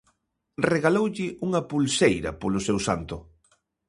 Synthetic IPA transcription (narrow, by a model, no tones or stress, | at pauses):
reɣalowʎɪʔuŋɐpulsejɾɐ̰polʊsewsant̪ʊ